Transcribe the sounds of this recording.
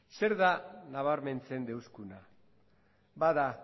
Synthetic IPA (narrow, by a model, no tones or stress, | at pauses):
se̞ɾðanaβaɾme̞nt͡se̞nd̪e̞wskuna | baða